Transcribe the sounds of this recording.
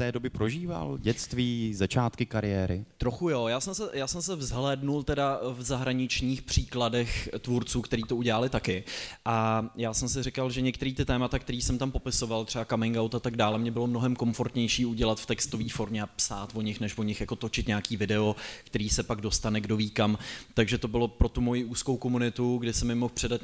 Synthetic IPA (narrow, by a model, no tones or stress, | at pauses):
t̪ɛːdobɪpɾoʒiːva̰lɟɛt͡st̪viːzat͡ʃaːt̪kɪkaɾɪjɛːɾɪ̰t̪ɾoxujo̞jaːsɛmsɛjaːsɛmsɛvzɦlɛːdnult̪ɛdavzaɦɾaɲɪt͡ʃɲiːxpr̝̥iːkladɛxt̪vuɾt͡suːkt̪ɛɾiːt̪o̞uɟɛlalɪt̪akɪʔajaːsɛmsɪrɪkalʒɛɲɛkt̪ɛɾiːt̪ɪt̪ɛːmat̪akt̪ɛɾiːsɛmt̪ampo̞pɪso̞valt̪r̥ɛbakamɪŋɡawt̪at̪aɡdaːlɛmɲɛbɪlo̞mnoɦɛmko̞mfo̞ɾt̪ɲɛjʃiːuɟɛlat̪ft̪ɛkst̪o̞viːfo̞ɾmɲɛapsaːt̪vo̞ɲɪxnɛʃvo̞ɲɪxjako̞t̪o̞t͡ʃɪt̪ɲɛakiːvɪdɛo̞kt̪ɛɾiːsɛpaɡdo̞st̪anɛɡdoviːkamt̪aɡʒɛt̪o̞bɪlo̞pɾo̞t̪umo̞jiʔuːsko̞wko̞munɪt̪uɡdɪsɛmɪmo̞xpr̥ɛdat̪̚